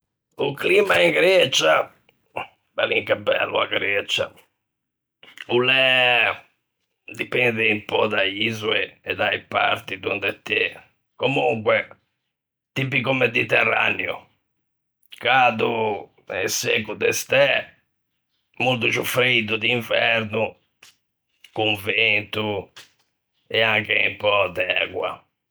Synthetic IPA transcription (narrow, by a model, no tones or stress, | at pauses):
uklimaiŋɡɾɛt͡ʃa | baliŋkapːɛ̰lːṵa̰ɡɾɛt͡ʃa̰ | ulɛ | d̪ipɛnd̪ɛimpɔd̪aizueɛd̪aipa̰ɾt̪id̪und̪ɛt̪ːe | komuŋkwɛ | t̪ipikumed̪it̪ɛrːa̰njṵ | kaːd̪u | ɛsekud̪ɛst̪ɛ | mult̪̬ut͡ʃufɾid̪ud̪iɱvɛɾnu | kuɱvent̪u | ɛaŋkeimpɔd̪ɛːɣwa̰